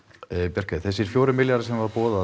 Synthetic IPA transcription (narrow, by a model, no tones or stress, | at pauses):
pjɛr̥kaθɛsɪɾ̥fjoːwɾɪmɪljaɾɪsɛmvaɾpɔːða